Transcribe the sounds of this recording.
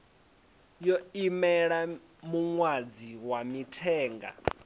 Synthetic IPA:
jɔimɛɺa | muŋwad͡ziwamitʰɛːŋɡa̰

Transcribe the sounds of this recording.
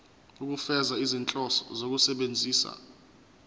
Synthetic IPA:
uk̬ʼufɛzaizint͡ɬʼɔsɔ̰zok̬usɛɓend͡zʱiːsa̰

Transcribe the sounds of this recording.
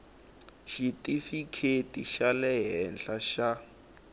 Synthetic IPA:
ʃitʼifikʰetiʃalɛɦɛnɬaʃa

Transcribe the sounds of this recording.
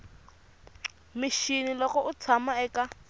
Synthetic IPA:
mɪʃinilɔkɔʔʊt͡sʰamaɛka

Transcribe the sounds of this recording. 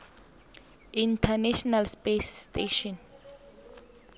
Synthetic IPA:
intʰɛnɛʃɔnalspesteʃɔ̃n

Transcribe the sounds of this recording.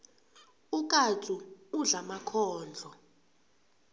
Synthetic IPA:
uk̬ʼatʼuuɮamakʰɔːnd͡ɮʱɔ

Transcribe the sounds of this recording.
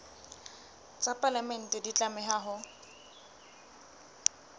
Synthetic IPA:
t͡sʼapʼalamɛn̩tʼɛdit͡ɬʼamɛɦaɦʊ

